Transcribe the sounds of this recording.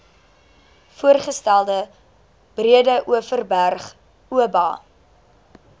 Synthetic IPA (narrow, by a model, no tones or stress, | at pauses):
fuərχəstælˠdə | b̥riədəʔuəfərbærχ | uəbɑ̰ː